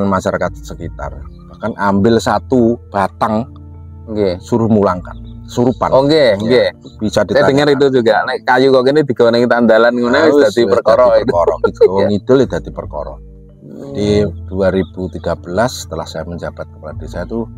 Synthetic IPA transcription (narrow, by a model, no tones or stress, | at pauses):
nmaʃaɾakat̪̚səkit̪a̰rb̥ahkanambɪlsat̪ub̥at̪aŋ | ŋɡesuɾʊhmulaŋka̰nəsuɾupa̰noŋɡeŋɡeb̥isad̥̪iadəŋəɾit̪̬ud͡ʒuɡanakajukokenid̪̥i̤ɡ̥awneŋit̪and̪alanŋonad̪at̪iərkɔɾɔkɔɾɔ̰ɡit̪uŋid̥ʊled̪̥a̤t̪ipərkɔ̰ɾɔ̰ | d͡ʒad̥id̥uaɾib̥ut̪iɡ̥ab̥əlasːə̥t̪əlahsajaməɲd͡ʒab̥at̪̚kəpad̥a̤sajat̪u